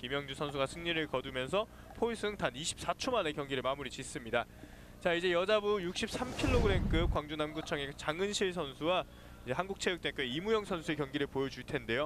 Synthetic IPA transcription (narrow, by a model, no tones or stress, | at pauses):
kimjʌŋd͡ʑusʰʌns̬ʰuɡasʰɯŋɲiɾɯɭkʌdumjʌns̬ʰʌ | pʰois͈ɯŋtaniɕʰi̥p̚s͈at͡ɕʰomane̞kjʌŋɡiɾɯɭmamuɾit͡ɕis͈ɯmɲida | t͡ɕaid͡ʑe̞jʌd͡ʑabujuk̚ɕ͈ʰip̚s͈ʰamkʰiɭːoɡɯɾe̞nk͈ɯp̚kwaŋd͡ʑunamɡut͡ɕʰʌŋet͡ɕaŋɯnɕʰiɭs̬ʰʌnsʰuwa | id͡ʑe̞ɦanɡuk̚t͡ɕʰejɯkt͈enk͈ɯimujʌŋsʰʌnsʰue̞kjʌŋɡiɾɯɭpojʌd͡ʑuɭtʰe̞nde̞jo